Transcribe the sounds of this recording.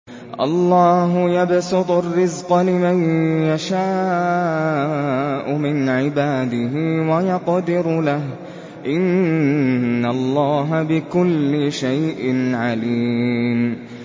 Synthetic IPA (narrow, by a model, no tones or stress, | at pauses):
ʔɑ̰lˤːɑːɦʊjabsɪt̪ˤʊrːɪzqɑlɪmajjaʃaː | ʔʊmɪnʕɪbaːd̪ɪɦɪwajɑqd̪ɪɾlah | ʔɪnː | alˤːɑːɦabɪkʊlːɪʃajʔɪnʕaliːm